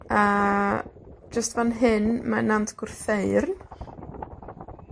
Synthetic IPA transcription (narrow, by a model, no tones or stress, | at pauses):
a | d͡ʒəstvanɦɨnmanamtɡ̥ʊrθeɨrn